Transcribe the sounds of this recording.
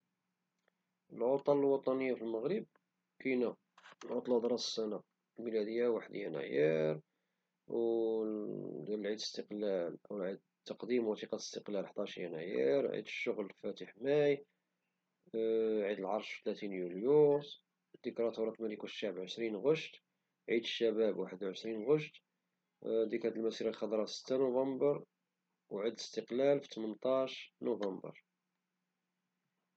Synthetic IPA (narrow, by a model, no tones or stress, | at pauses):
əlʕot̪ˤɑləlwɑt̪ˤɑnəjːafilməɣɾəb̚ | kinæ | lʕot̪ˤlɑd̪ɾˤɑəsæna | lmilæd̪əjːawaħəd̪jæ̰næ̰jiɾ | w | d̪æləlʕid̪ləst̪əqlæləwʕid̪̚ | t̪ːɑqd̪imwɑt̪iqɑt̪əst̪əqlælħd̪ɑʃjæ̰næjiɾʕḭd̪əʃːʊɣlfæt̪əħmæj | ʕid̪əlʕɑɾˤʃfit̪læt̪injuljus | d̪ikɾˤɑt̪uɾˤɑt̪mælikuʃːaʕbʕəʃɾinɣəʃt̪ | ʕid̪əʃːæbæbwaħəd̪wʕəʃɾinɣəʃt̪ | d̪ikʕəd̪əlmæsiɾɑlxɑd̪ˤɾˤɑsə̥t̪ːanuvɑmbəɾˤ | wʕəd̪ləst̪əqlælfi̥t̪mənt̪ˤɑʃnuvɑmbə̰ɾˤ